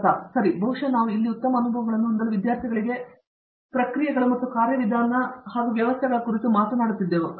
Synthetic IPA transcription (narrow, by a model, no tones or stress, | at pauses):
t̪aːsɐɾibʱɐʋuʂɐnaːʋuilːiut̪ːɐmɐːnubʱɐʋɐɡɐɭɐnːuund̪ɐlːuʋid̪jaːɾt̪ʰiɡɐɭiɡe̞ | pɾɐkɾijɐɡɐɭɐmɐt̪ːukaːɾjɐʋid̪ʱaːnɐhaːɡuʋjɐʋɐst̪ʰɛɡɐɭɐkuɾit̪umaːt̪ɐnaːɽut̪ːid̪ːeːʋu